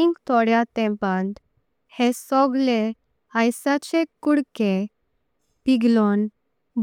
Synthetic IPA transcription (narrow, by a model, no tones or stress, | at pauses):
iŋɡt̪ʰɔɽjat̪ɛ̃pãnt̪ | hesɔɡle | ajsat͡ɕekːuɽke | piɡlɔn | b